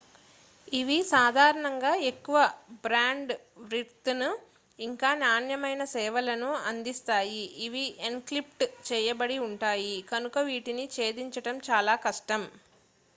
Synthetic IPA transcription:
iʋisaːd̪ʱaːɾɐɳɐŋɡaːe̞kːuʋɐbɾaːɳɖ | ʋɾiɾt̪nu | iŋkaːnaːnjɐmɐjnɐsɛːʋɐlɐnuɐnd̪ist̪aːjiːʋienklip̚ʈt͡ʃɛːjɐbɐɽiuɳʈaːjikɐnukɐʋiːʈinit͡ʃe̞ːd̪iɲt͡ʃɐʈɐmt͡ʃaːlaːkɐʂʈɐm

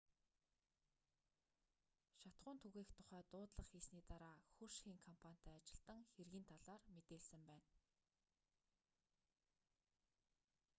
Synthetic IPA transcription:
ʃat̪ɢʊːnt̪ʰɵɣeːxt̪ʰʊ̥χæːt̪ʊːt̪ɮə̆χxiːsniːt̪aɾaːxurʃxiːŋkʰɔmpʰan̥ʲt̪ʰæːt͡ɕɪ̆ɮt̪ə̆ŋxerɣiːnt̪ʰaɮaːrmet̪eːɮsɘ̆mpæːn

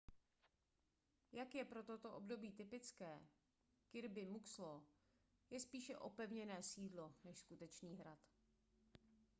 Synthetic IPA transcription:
jakjɛpɾo̞t̪ot̪o̞ʔobdo̞biːt̪ɪpɪt͡skɛː | kɪɾbɪmukslo | jɛspiːʃɛʔo̞pɛvɲɛnɛːsiːdlo̞nɛʃskut̪ɛt͡ʃniːɦɾat̪

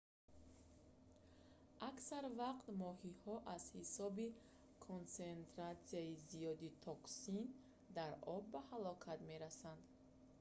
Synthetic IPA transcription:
ʔaksaɾvaqt̪mɔhihɔʔaz̥hisɔbi | kʰont͡sent̪ɾat̪siaizijɔd̪it̪ʰɔksin | d̪aɾɔbːahalɔkʰat̪me̞ɾasand̪

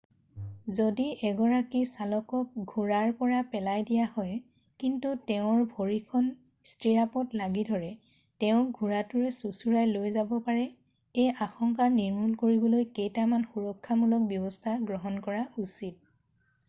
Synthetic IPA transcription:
zodiʔɛɡɔɹakisalɔkɔk̚ɡʱuɹaɹpɔɹapɛlajdijahɔj | kintutɛʊ̃ɹbʱoɹikʰɔn | stɹiɹapɔtlaɡidʱɔɹɛ | tɛʊ̃ɡʱuɹatuɹɛsusuɹajlojzabɔpaɹɛ | ejʔaxɔŋkaɹniɹmulkoɹibɔlojkejtamanxuɹɔkʰːamulɔk̚bjɔbɔstʰaɡɹɔɦɔnkɔɹausid̚

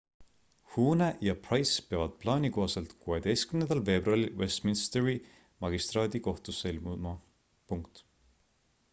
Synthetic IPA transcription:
huːnejɑprɑjspeɑvɑd̪̥̚plɑːniko̞ɦɑse̞lt̪kue̞d̪̥ejst̪̚kymnend̪̥ɑlfe̞ːb̥ruɑlilwest̪minst̪eɾi | mɑɡ̥ist̪rɑːd̪̥iko̞ht̪usːelmumɑ | puŋkt̪

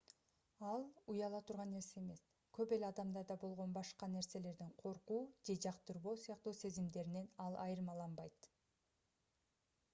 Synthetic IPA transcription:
ɑlˠujɑlˠɑt̪ʰuɾʁɑnːe̞ɾse̞ːme̞s | køpe̞lɑd̪ɑmd̪ɑɾd̪ɑbo̞lˠʁo̞nbɑʃqɑne̞ɾse̞le̞ɾd̪iɴqʰo̞ɾquːd͡ʒe̞d͡ʒɑqt̪ɯɾβo̞ːsijɑqt̪uːse̞zimd̪e̞ɾine̞nɑlˠʔɑ̰jɯɾmɑlˠɑnbɑjt̪

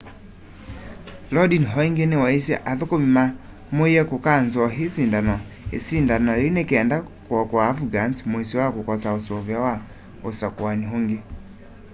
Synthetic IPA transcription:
lɔdinɦɔiŋɡenewaisjɛ̰ʔaðokomima | moijɛkokanzɔɦesindanɔ | ḛsindanɔɾeinekːndakwɔkwaːfuɡantmoisiwakokɔsaosovjawa | osakoaniɦoŋɡe

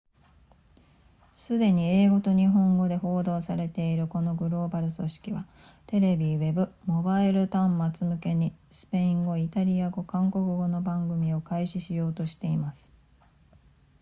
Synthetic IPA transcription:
sɨd̪e̞ɲ̟ieːɡo̞t̪o̞ɲ̟iɦõ̞ŋɡo̞d̪e̞ɦo̞ːd̪o̞ːsaɾe̞t̪e̞iɾɯ̟ko̞no̞ɡɯ̟ɾo̞ːbaɾɯ̟so̞ɕi̥kʲiβa | t̪e̞ɾe̞bʲiβe̞bɯ̟mo̞baiɾɯ̟t̪ãmmat͡sɨmɯ̟ke̞ɲ̟isɨ̥pe̞ĩŋɡo̞it̪aɾʲiaɡo̞kãŋko̞kɯ̟ɡo̞no̞bãŋɡɯ̟mʲio̞kaiɕiɕijo̞ːt̪o̞ɕi̥t̪e̞imasɨ̥

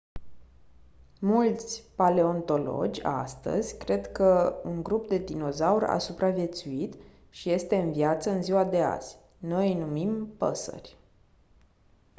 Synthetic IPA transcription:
mult̪sʲpale̞o̞nt̪o̞lo̞̰d͡ʒʲa̰st̪ə̰zʲkɾe̞d̪kəuŋɡɾupd̪e̞d̪ino̞zaura̰supɾavje̞t̪suit̪ | ʃije̞st̪e̞ɨnvijat̪səɨnziwad̪e̞a̰z̥ʲ | no̞jnumimpə̰sə̰rʲ

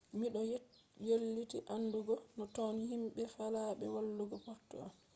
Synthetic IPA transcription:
miɗɔ | jolːitiʔanduɡɔnɔtonihimɓɛfalaɓɛ̰walːuɡɔpɔɾtːṵa̰m

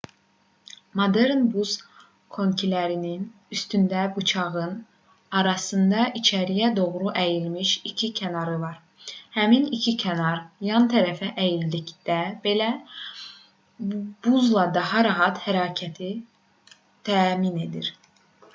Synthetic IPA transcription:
mod̪eɾnbuz̥ | kʰo̞ɲcʰilæɾinin | yst̪ynd̪æbut͡ʃʰɑɣɯn | ɑɾɑsɯnd̪ɑʔit͡ʃʰæɾijæd̪o̞ɣɾuʔæjilmiʃicʰicʰænɑɾɯvɑɾ | hæminicʰicʰænɑɾjɑnt̪ʰæɾæfæʔæjillicd̪̥æbelæ | b̥uzlˠɑd̪ɑhɑɾɑɦɑt̪hæɾɑːcʰæt̪ʰi | t̪ʰæːmine̞d̪ḭɾ

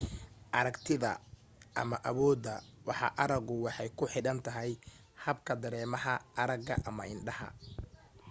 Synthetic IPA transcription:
ʔɐɾɐkt̪ʰɪðɐ̰ | ʔɐ̰mɐʔɐβɔːd̪ɐwɑħɑ̰ʔɐɾɐɡʊwɑħɑjkʰʊħɪɽɐnt̪ʰɐɦɛj | hɐbkʰɐd̪ɐɾɛːmɐɦɐɐɾɐɡɐ̰ʔɐmɐ̰ʔɪnɖɐɦɐ̰

